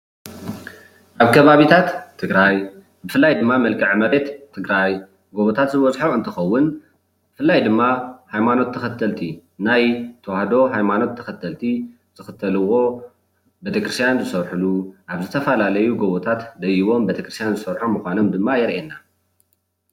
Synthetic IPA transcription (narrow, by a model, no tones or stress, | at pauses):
ʔaβkʰɐβaβit̪ʰat̪ʰːɨɡɾaj | bɨfɨlːajd̪ɨmːamɐlkʰɨʕmɐɾet̪ʰːɨɡɾaj | ɡoβot̪ʰat̪zɨβɐzħoɨnt̪ʰɨxɐwːʊn | bɨfɨlːajd̪ɨmːahajmano̞t̪ʰːɐxɐt̪ʰːɐlt̪ʰinajt̪ʰɐwahd̪o̞ɦajmano̞t̪ʰːɐxɐt̪ʰːɐlt̪ʰi | z̥ɨxɨt̪ʰɐlɨwo̞ | bet̪ʰekɾɨst̪ʰjanzɨsɐɾħuluʔaβzɨt̪ʰɐfɐlalɐjuɡoβot̪ʰat̪d̪ɐjiβo̞mbet̪ʰɐkɾɨst̪ʰjanzɨsɐɾħumɨxʷano̞md̪ɨmːajɛɾʔenːa